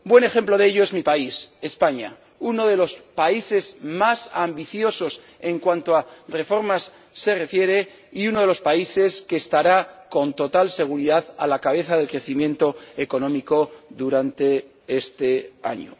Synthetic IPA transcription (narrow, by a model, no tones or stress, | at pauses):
bwe̞ne̞xemplo̞ðeeʎo̞e̞zmipaise̞spaɲa̰ | uno̞ð̞e̞lo̞spaise̞zmasambiθjo̞so̞s | e̞ŋkwant̪oare̞fo̞ɾmasː | e̞re̞fje̞ɾe̞ | iuno̞ð̞e̞lo̞spaise̞skeːst̪aɾako̞nt̪o̞t̪alse̞ɣ̞uɾiðaða̰lakaβ̞e̞θaðe̞lkɾe̞θimjẽ̞nt̪o̞eko̞nõ̞miko̞ðuɾant̪e̞ | est̪e̞a̰ɲo̰